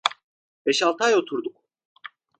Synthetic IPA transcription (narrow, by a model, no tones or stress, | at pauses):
b̥ɛʃalˠt̪ʰajo̞t̪ʰuɾd̪uk